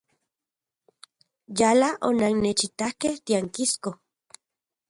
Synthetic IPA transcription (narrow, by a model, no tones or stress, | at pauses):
jalaʔonaŋnet͡ʃit̪ahkeht̪iaŋkisko